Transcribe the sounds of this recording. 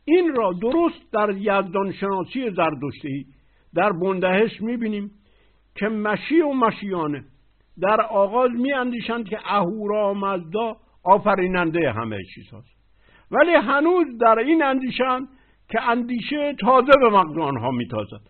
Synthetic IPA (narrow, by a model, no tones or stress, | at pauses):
ʔiːnɾɒːd̪oɾost̪̚d̪æɾjæzd̪ɒnʃenɒːsije̞zæɾd̪oʃt̪eiː | d̪æɾbond̪æheʃmiːbiːniːm | kʰemæʃiːomæʃiːjɒːne | d̪æɾɒːɣɒːzmiːænd̪iːʃænd̪̚kʰeʔæhuːɾɒːmæzd̪ɒː | ɒːfæɾiːnænd̪ejeɦæ̰mḛt͡ʃʰḭːz̥hɒ̰ːst̪ | væliːɦænuːzd̪æɾiːnænd̪iːʃeænd̪ | cʰeænd̪iːʃet̪ʰɒːzebemæɣzɒːnɦɒːmiːt̪ʰɒ̰ːzæ̰d̪̥